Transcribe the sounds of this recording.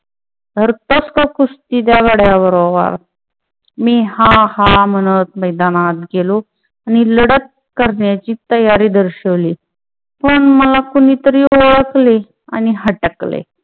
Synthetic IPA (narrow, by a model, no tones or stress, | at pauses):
d̪ʱəɾt̪oskakust̪iːd̪jaɡəɽjaʋəɾoʋa̰ɾ | miːɦãhamənət̪̚məjd̪anat̪̚ɡelo | añiləɽət̪̚ | kəɾɳjat͡ɕiːt̪əjaɾiːd̪əɾɕəʋliː | pəɳməlakuñiːt̪əɾioɭəkle | a̰niɦəʈəklḛ